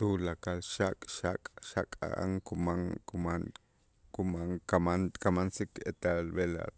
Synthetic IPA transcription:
t̪ulakalʃakʼʃa̰kʼʃa̰kʼa̰ʔa̰ŋkumaŋkuman | kumaŋkamankamansikḛt̪albela̰

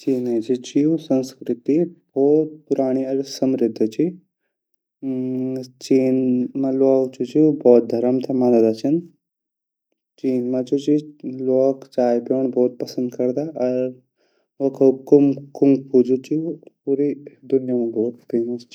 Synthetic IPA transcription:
t͡ʃiːnet͡ʃit͡ʃiusə̃nskɾɪt̪ibʱɔːt̪̚pʊɾaːɽ̃iɐɾsəmɾɪd̪ʱːt͡ʃʰi | t͡ʃiːnmãloːkt͡ʃut͡ʃibɔːt̪̚d̪ʱɐɾəmt̪ʰamanɐd̪at͡ʃʰɐn | t͡ʃiːnmãt͡ʃut͡ʃiloːkt͡ʃaːjpoɳ̃bʱɔːt̪̚pɐsə̃nd̪kɐɾd̪aʔɐɾ | okʰɐkumkumpud͡ʒʱut͡ʃipuːɾid̪ʊnjamãbɔːt̪feːməst͡ʃʰi

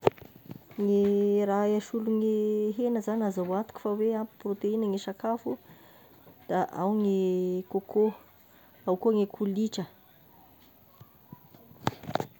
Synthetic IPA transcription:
ŋeɾajaʃuluŋeɦenəzanazawat̪u̥kʲu̥faweampi̥prot̪einəŋeʃakafu | d̪̥aʔawŋekokʰo | awkoŋekʰuliʈ͡ʂə

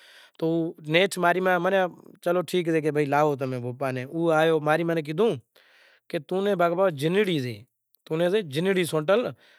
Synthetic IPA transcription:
t̪oːneːʈʰmaːɾiːmãːmənãːt͡ʃəloːʈʰiːk̬zeːk̬eːbʱəiːlaːɦoːt̪̬əmẽːbʱoːpaːneːʔuːaːjoːmaːɾiːmaːnẽːk̬ɪd̪ũː | keːt̪ũːnẽːbaːɡbaːd͡ʒɪnɪɽiːzḛː | t̪uːnẽːzeːd͡ʒɪniɽiːsõːʈəl

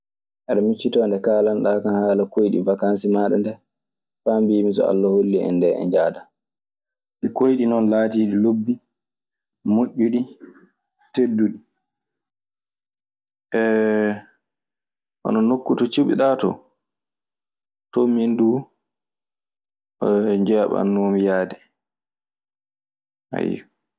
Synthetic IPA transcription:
ʔɛɗamit͡ʃːitɔːndɛkaːlanɗakanhaːlakojɗḭvakansimaɗɛ̰ndɛ | fambijimisɔ̰a̰lːaholːiɛ̰ndɛɛ̰nd͡ʒaːda | ɗɛkojɗinɔnlaːtiːɗilobːi | moʔʲːuɗi | tedːuɗi | ʔɛ | ʔɔ̰nɔnokːutɔt͡ʃuɓiɗaːtɔ̰ | tomindu | ɲd͡ʒɛːɓa̰nːomijaːdɛ | ha̰j

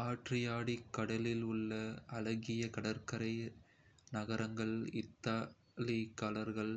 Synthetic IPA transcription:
aːʈrɪjaːɽikːɐɽɐlɪlʊɭːɐɐlɐɣɪjɐkɐɽɐɾkɐɾɐɪ | nɐɣɐɾɐŋɡɐɭɪt̪ːaː | lɪkːaːlɐɾɣɐɭ

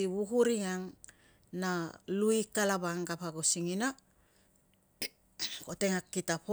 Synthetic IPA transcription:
iβukuɾiŋaŋ | naluikalaβaŋɡapaɡosiŋina | ko̞te̞ŋakːitapo

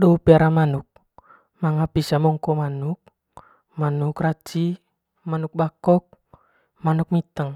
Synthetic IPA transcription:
dɔupiaɾamanuk̚ | maŋapisamɔŋkɔmanuk̚ | manukrat͡ʃi | manuk̚bakɔk̚ | manuk̚mit̪əŋ

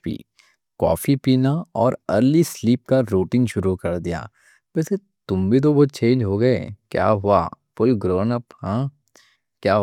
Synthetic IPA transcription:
ḭː | kɔ̰ːfipiːnaɔːɾɐɾlisliːp̚kaɾoːʈɪ̃ŋɡʃʊɾukɐɾd̪ija̰ː | ʋɛːse | t̪ʊmbʱit̪̬obot͡ʃẽːɲd͡ʒɦoɡɐekja̰ːɦʊa̰ | poːiɡɾoːnɐphɛ̃ː | kjaːɦ

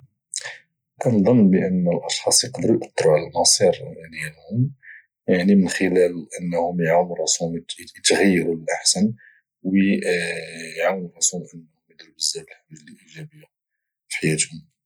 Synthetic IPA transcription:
ʔænd̪ˤɑnːbəʔənːəlʔɑʃxɑsˤjqɑd̪ɾujʔət̪ˤːɾuʕləlmɑsˤiɾænælhʊm | jaʕnimənxəlælʔənːhʊmjʕamɾˤɑsumjət̪ɣæjːɑɾuləlʔaħsən | wə | jʕawnɾˤɑsunʔənːhʊmjəd̪ɾubəzːæbəlħaməlilʔiʒæbəjːa | fi̥ħajæt̪hʊm

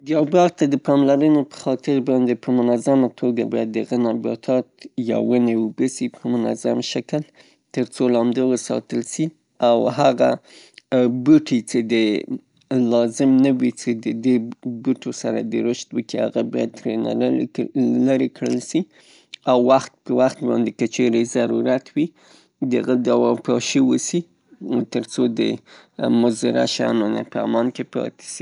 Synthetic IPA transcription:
d̪jɑbɑɾt̪ad̪əpɑmlaɾənopə̥xɑt̪ɪɾbɑnd̪epəmʊnazamat̪ʰoɡabɑjad̪ːəɣanɑbɑ̰t̪ʰɑt̪ja̰wənewəbəsipʰəmʊna̰zamʃakəl | t̪əɾt͡solɑnd̪ewəsɑ̰t̪əlsi | awɦaɣa | buʈʰit͡ʃed̪ə | lɑzɪmnawit͡ʃed̪əd̪ebuʈʰosaɾa̰d̪əɾʊʃt̪wəkiaɣabɑjad̪̚t̪ɾena̰ | laɾekɽəlsi | awːaxt̪̚pəwaxt̪bɑnd̪ekat͡ʃeɾezaɾuɾat̪ʰwi | d̪əa̰ɣəd̪awɑpɑʃiwəsi | t̪əɾt͡sod̪ə̰ | mʊzɪɾa̰ʃɑ̰nona̰pəa̰mɑnkepɑ̰t̪e̥si

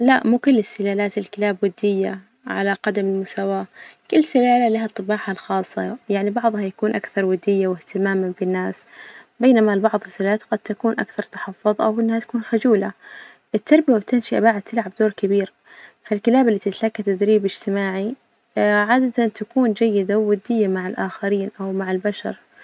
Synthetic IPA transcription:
laʔmukʊlːɪsːɪlaːlaːt̪ɪlkɪlaːbwad̪ːɪjːa | ʕa̰laqɑd̪amɪlmʊsawaːkʊlːsɪlaːlalaɦat̪ˤːɨbɑːħalxɑːsˤːɑjaʕnibɑʕðˤhajakuːnʔakθɑɾˤwad̪ːɪjːawɪht̪ɪmaːmafinːaːsbeːnamalbɑʕðˤɪsːɪlaːlaːt̪ɡad̪̥̚t̪akuːnʔa̰kθɑɾˤt̪ɑ̥ħɑfːʊðˤʔa̰wʔɪnːhat̪ḁkuːnxʊd͡ʒuːla | ʔɪt̪ʰːɑɾˤbɪjabɪt̪ːɪnʃɪʔa̰baʕad̪̚t̪ʰːɪlʕab̚d̪oːɾkɪbiːɾ | falkɪlaːbalːit̪ɪt̪lakːat̪ad̪ɾiːbɪd͡ʒt̪ɪmaːʕi | ʕaːd̪at̪at̪akuːnd͡ʒajːɪd̪awːʊd̪ːɪjːamaʕɪlʔaːxaɾiːnʔawmaʕɪlbaʃɑ̰ɾˤ

